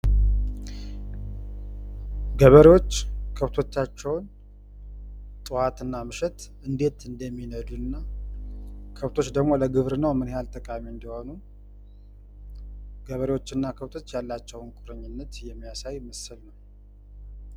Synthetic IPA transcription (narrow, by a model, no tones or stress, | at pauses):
ɡəβəɾewo̞t͡ʃːkʰəβt̪ʰo̞t͡ʃːat͡ʃːɛwn | t̪ʼɨwat̪ɨnːamɨʃɛt̪ | ɨnd̪e̞t̪ɨnd̪əmːinəd̪uɨnːa | kʰəβt̪ʰo̞t͡ʃːd̪əɡmo̞ləɡɨβɾɨnəwmɨnjalt̪ʼəkʼamiɨnd̪iho̞nu | ɡ̥əβəɾewo̞t͡ʃːɨnːakʰəβt̪ʰo̞t͡ʃːjalːat͡ʃːɛwnkʼuɾəɲːɪnːət̪jɛmːijasajməsɨlnəw